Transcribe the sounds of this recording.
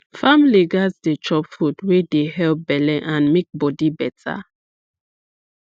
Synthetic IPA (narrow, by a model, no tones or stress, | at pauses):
famliɡasdet͡ʃɔpfudwedeɦɛlp̚bɛlɛ̃ʔãnmek̚bɔdibɛtʰa̰